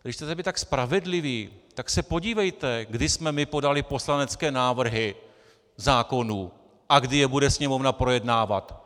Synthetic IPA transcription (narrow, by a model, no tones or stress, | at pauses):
dɪʃt̪ɛt̪ɛbɪt̪akspɾavɛdlɪviːt̪aksɛpo̞ɟiːvɛjt̪ɛɡdɪsmɛmɪpo̞dalɪpo̞slanɛt͡skɛːnaːvr̩ɦɪ | zaːko̞nuː | ʔaɡdɪjɛbudɛsɲɛmo̞vnapɾo̞jɛdnaːvat̪